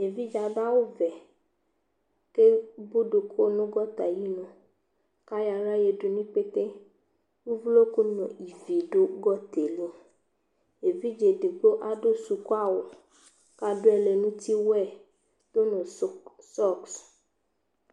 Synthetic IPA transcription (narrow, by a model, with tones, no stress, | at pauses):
e˨vi˦d͡ʒa˨ba˦wo˦vɛ˨ | ke˦bo˦ɖo˨kʰo˦nũ˦ɡɔ˦t̪a˨ji˦nɔ̃˨ | ka˦ja˨ɾa˦je˨ɖo˨nĩ˦k͡pe˦t̪e˦ | wu˦vlo˦ku˦nɔ̰̃˨i˨vi˨ɖo˦ɡɔ˦t̪e˨le˦ | e˨vi˦d͡ʒe˨de˨ɡ͡bo˦ʔa˨ɖo˦su˨ku˦a˦wo˨ | ka˦ɖo˦ɛ˨le˨nũ˦t̪i˦wɛ˨ | d̪̥o˦nɔ̃˨s | sɔ˦˨ks